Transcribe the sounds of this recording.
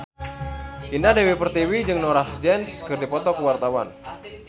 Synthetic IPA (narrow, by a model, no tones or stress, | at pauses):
ʔindadewipərt̪iwid͡ʒɨŋnɔɾahd͡ʒɛnskɨrdipɔt̪ɔkəwart̪awa̰n